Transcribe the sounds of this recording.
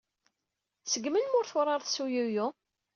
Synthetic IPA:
səɡmənmʊɾθʊɾˤɑɾˤθsujuju

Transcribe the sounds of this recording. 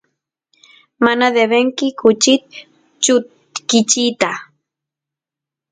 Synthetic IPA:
manad̪eβeŋkɪkʊt͡ʃɪt̪̚ | t͡ʃʊt̪ | kɪt͡ʃit̪a

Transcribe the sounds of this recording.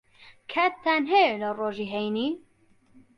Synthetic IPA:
kʰɛt̪ʰːænɦeləroːʒiːɦɛjniː

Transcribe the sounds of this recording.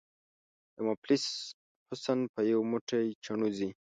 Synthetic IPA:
jamaplis | hʊsanpəjawmuʈajt͡ʃaɳuzi

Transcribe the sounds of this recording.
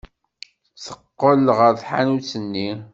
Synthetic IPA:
θəqːəlʁəɾθħa̰nut͡sːənːi

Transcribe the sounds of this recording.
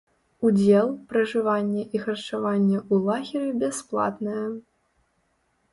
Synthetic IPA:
ud͡zʲɛlˠpɾɐʐɨvanʲːɛʔixɐrt͡ʂavanʲːɛulˠaɣʲiɾibʲɛsplˠa̰t̪nɐjɛ

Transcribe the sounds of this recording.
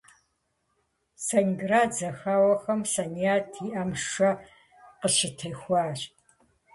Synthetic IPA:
sɐnɡraːd͡zɐxaːwɐxɐmsɐniaːtʰiʔɐmʂɐ | qəʃɪtʰɐjxʷɑːɕʼ

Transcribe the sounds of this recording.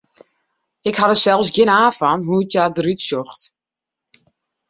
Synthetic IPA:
ɪkhadəsɛlˠfsɡɪnaːfanɦuətjadritsjɔxt

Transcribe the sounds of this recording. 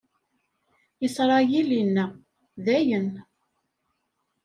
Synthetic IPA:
jəsˤɾˤɑjilinːə | ðæjən

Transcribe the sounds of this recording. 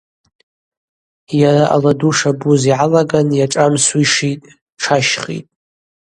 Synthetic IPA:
jaɾaʔa̰laduʂabuziʕalaɡanjaʈ͡ʂʼamswiʂitʼ | ʈ͡ʂʰaʃχḭtʼ

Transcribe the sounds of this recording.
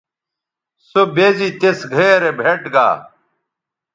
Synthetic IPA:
sobeːziːt̪esɡʱeːɾebʱeʈɡa̰ː

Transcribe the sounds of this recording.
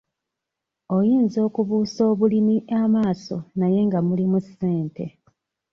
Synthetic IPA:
o̞jiːnzo̞ːkuβuːso̞ːβulimiʔamaːso̞̰naje̞ŋɡamulimuse̞ːnte̞̰

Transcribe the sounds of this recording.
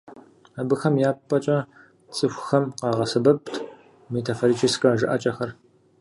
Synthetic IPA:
abɨxɐmjaːppʼːɐt͡ʃʼɐ | t͡sʼɨxʷxɐmqɑːʁɐsɨbɐp̚tʰ | metʰafoɾit͡ʃʰʼiskʼɐʒɨʔɐt͡ʃʼɐxɐr

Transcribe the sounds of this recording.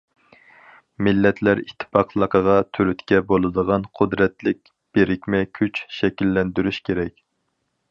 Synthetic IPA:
mɪlːɛt̪ʰlæɾit̪ʰːɨ̥pɑqʰlˠəqʰəʁɑt̪ʰyɾyt̪kʲɛbolˠɨd̪əʁɑnqʰʊd̪ɾɛt̪lɪk̚ʲ | b̥eɾɪkʲmɛkʲʰyt͡ʃʃɛkʲilːɛnd̪yɾyʃkʲʰeɾɛkʲ

